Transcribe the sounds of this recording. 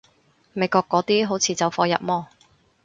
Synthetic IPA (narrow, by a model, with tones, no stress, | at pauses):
me˨˧jkɔː˧kːɔː˨˥t̪iː˥ɦo˨˥wt͡sʰiː˨˧t͡sɐ˨wfɔː˧jɐ̰˨p̚mɔː˥